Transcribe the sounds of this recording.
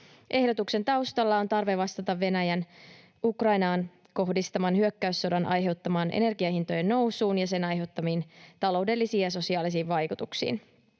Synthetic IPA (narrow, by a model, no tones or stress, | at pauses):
ʔe̞hdo̞t̪ukse̞nt̪ɑwst̪ɑlːɑo̞nt̪ɑrʋe̞ʋɑst̪ɑt̪ɑʋːe̞næjæn | ukrɑjnɑːn | ko̞hdist̪ɑmɑnɦyøkːæysːodɑnʔɑ̰jɦe̞wt̪ːɑmɑːnʔḛne̞rɡiɑeint̪o̞jenːo̞wsuːnjɑse̞nɑjɦe̞wt̪ːɑmiːnt̪ɑlo̞wde̞lːisiːjɑs̬o̞siɑːlis̬iːʋʋɑjkut̪uksḭːn